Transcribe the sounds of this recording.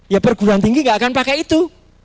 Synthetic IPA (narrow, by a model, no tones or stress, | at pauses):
japərɡuɾaŋt̪iŋɡiŋɡaʔakanpakɛjit̪u